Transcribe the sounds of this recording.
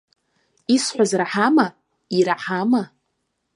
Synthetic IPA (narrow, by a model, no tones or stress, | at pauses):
isħʷazraħama | iɾaħama